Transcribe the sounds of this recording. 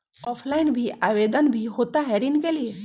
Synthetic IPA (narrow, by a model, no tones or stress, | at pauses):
ɔːpʰlaɪnbʱiʔaʋed̪ənbʱiɦot̪aɦɛɾinkelie